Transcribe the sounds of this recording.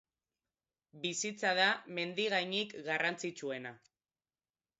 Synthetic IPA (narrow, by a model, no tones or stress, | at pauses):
bisit͡saðame̞nd̪iɣajɲikɡarant͡sit͡ʃue̞na